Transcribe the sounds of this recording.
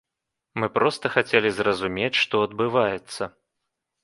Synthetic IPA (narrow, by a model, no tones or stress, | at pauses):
mɨpɾɔst̪ɐxat͡sʲelʲizrɐzumʲet͡sʲʂt̪ɔɐd̪̚bɨvajɛt̪sːɐ